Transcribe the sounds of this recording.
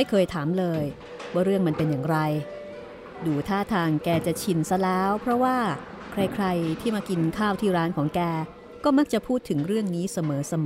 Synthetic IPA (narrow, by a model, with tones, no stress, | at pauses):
a˥˩jkʰɤː˧jt̪ʰaː˩˦mlɤː˧j | waː˥˩ɾɯ˥˩əŋma˧npe˧njaː˨˩ŋɾa˧j | duː˧t̪ʰaː˥˩t̪ʰaː˧ŋkɛː˧t͡ɕa˨˩t͡ɕʰi˧nsa˧lɛː˦˥wpʰɾɔ˦˥waː˥˩ | kʰɾa˧jkʰɾa˧jt̪ʰiː˥˩maː˧ki˧nkʰaː˥˩wt̪ʰiː˥˩ɾaː˦˥nkʰɔː˩˦ŋkɛː˧ | kɔː˥˩ma˦˥k̚t͡ɕa˨˩pʰuː˥˩t̪ʰːɯ˩˦ŋɾɯ˥˩əŋniː˦˥sa˧mɤː˩˦sa˧mː˩˦